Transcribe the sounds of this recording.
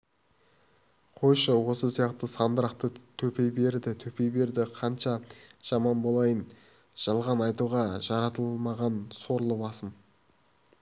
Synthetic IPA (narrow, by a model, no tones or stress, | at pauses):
qʰojʃəwo̞səsijɑqt̪əsɑnd̪əɾɑqt̪ət̪ʰɵpe̞jbe̞ɾd̪ɪt̪ʰɵpe̞jbe̞ɾd̪ɪqʰɑnʃɑʒ̥ɑmɑnbolˠɑjən | ʒ̥ɑlˠʁɑnɑjt̪uʁɑʒɑɾɑt̪əlˠmɑʁɑnso̞ɾlˠəbɑsəm